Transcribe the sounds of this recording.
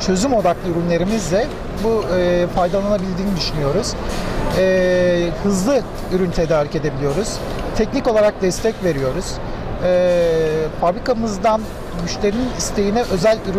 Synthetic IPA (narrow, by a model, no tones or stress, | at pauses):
t͡ʃʰø̞zymo̞d̪aklˠɯyɾynlʲe̞ɾimizlʲɛ | bufajd̪alˠanabilʲd̪iːnid̪yʃynyjo̞ɾuz̥ɛːhɯzlˠɯ | yɾynt̪ʰed̪aːɾice̞d̪e̞bilʲijo̞ɾuz̥ | t̪ʰɛcnikolˠaɾak̚d̪ɛst̪ʰɛcve̞ɾijo̞ɾuz̥ | ɛ | fabɾikamɯzd̪an | myʃlʲe̞ɾininist̪ʰe̞jinɛʔø̞zælʲyɾy